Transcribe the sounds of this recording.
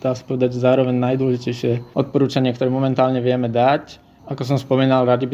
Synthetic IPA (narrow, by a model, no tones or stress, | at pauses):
d̪̥aːsḁpɔʋɛd̪aɟʒɛzaːɾɔʋɛɲnajd̪ʊɔlɛʒicɛjʃɪɛʔɔt̪̚pɔɾuːt͡ʃaɲɪɛkt̪ɔɾɛmɔmɛnt̪aːlɲɛʋɪɛmɛd̪ac | akɔs̬ɔmspɔmiːnalɾadd͡ʒibi